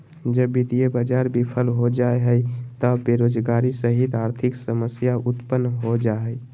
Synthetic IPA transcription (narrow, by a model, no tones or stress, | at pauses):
d͡ʒəbːit̪ijebəd͡ʒaːɾbʱipʰəlɦod͡ʒaeɦəit̪əbeɾoːd͡ʒɡaːɾisəɦit̪aːɾt̪ʰɪksəməsjaʔʊt̪pənːɦod͡ʒaɦɛ